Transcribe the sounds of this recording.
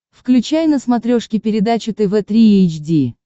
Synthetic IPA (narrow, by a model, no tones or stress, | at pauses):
fklʲʉt͡ɕajnəsmɐt̪ɾʲo̞ʂkʲɪpʲɪɾʲɪd̪at͡ɕɪt̪ɛvɛt̪ɾʲiejt͡ɕdʲi